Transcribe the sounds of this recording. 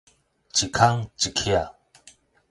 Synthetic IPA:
t͡ʃi˨kʰa˦ŋt͡ʃi˨kʰi˦a˨

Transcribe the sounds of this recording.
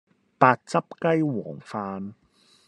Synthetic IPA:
paː˧t̚t͡sɐ˥p̚kɐ˥jwɔ̰ː˨˩ŋfaː˧n

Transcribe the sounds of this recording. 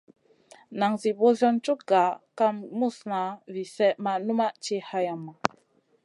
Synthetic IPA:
na˨ŋzi˨bo˦zɔ˦nt͡ʃu˦kɡa˨ka˦mmu˦˨sna˨vi˨sɛ˦ma˨nu˦ma˦t͡ʃi˦ha˦ja˨mːa˨

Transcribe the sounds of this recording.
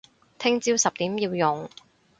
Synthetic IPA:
t̪ʰɪ˥ŋt͡siː˥wsɐ˨p̚t̪iː˨˥mjiː˧wjʊ˨˩ŋ

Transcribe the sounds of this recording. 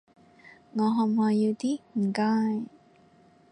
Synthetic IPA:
ŋɔː˨˧ɦɔ˨mhɔː˨˧jiː˧wt̪iː˥m̩˨˩kaː˧˥j

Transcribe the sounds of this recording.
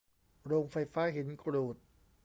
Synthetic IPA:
ɾoː˧ŋfa˧jfaː˦˥ɦi˩˦nkɾuː˨˩t̪̚

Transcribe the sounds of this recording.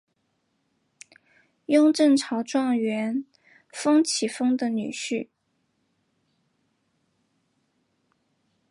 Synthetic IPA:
jʊ˥ŋʈ͡ʂə˥˩ŋʈ͡ʂʰɑ˧˥ʊʈ͡ʂwɑ˥˩ŋɥɛ˧˥n | fɤ˥ŋt͡ɕʰi˨˩fɤ˥ŋd̪ə˨ny˨˩ɕy˥˩

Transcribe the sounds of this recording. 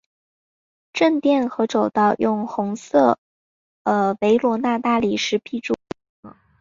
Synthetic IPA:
ʈ͡ʂə˥˧nt̪jɛ˥˩nxɤ˧˥ʈ͡ʂo˨˩ʊt̪ɑ˥˩ʊjʊ˥˩ŋxʊ˧˥ŋsɤ˥˩ | ə˧we˧˥ɪlwɔ˧˥na˥˧t̪a˥˩li˨˩ʂɻ̩˧˥pʰi˥˩ʈ͡ʂu˥˩

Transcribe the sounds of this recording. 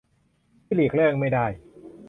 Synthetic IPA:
liː˨˩k̚lɯ˥˩əŋma˥˩jdaː˥˩j

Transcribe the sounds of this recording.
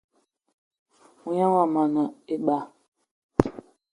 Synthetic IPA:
u˨ɲã˦wa˨ma˨na˨e˦ɓa˦

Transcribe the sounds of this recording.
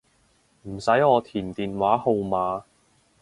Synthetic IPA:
m̩˨˩sɐ˨˥jɔː˨˧t̪ʰiː˨˩nt̪iː˨nwaː˨˥ho˧wmaː˨˧

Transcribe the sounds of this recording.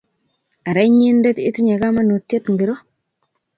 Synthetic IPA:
a˨ɾa˦ɲi˦nde˦ti˦tu˦ɲa˨ɡa˦ma˦no˨tːe˦tŋɡi˨ɾo˦

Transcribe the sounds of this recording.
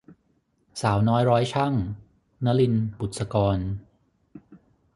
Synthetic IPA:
saː˩˦wnɔː˦˥jɾɔː˦˥jt͡ɕʰa˥˩ŋ | na˦˥li˧nbu˨˩t̪̚sa˧kɔː˧n

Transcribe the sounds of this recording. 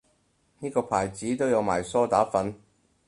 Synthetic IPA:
niː˥kɔː˧pʰaː˨˩jt͡siː˨˥t̪o˥wjɐ˨˧wmaː˨˩jsɔː˥t̪aː˨˥fɐ˨˥n

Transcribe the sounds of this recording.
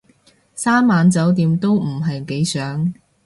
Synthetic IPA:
saː˥mmːaː˨˧nt͡sɐ˨˥wt̪̬iː˨˧mt̪o˥wm̩˨˩ɦɐ˨jke˨˥jsœː˨˥ŋ

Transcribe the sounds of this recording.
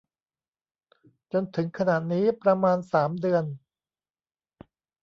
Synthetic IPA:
t͡ɕo˧nt̪ʰɯ˩˦ŋkʰa˧na˨˩ʔniː˦˥pɾa˧maː˧nsaː˩˦mdɯ˧ən

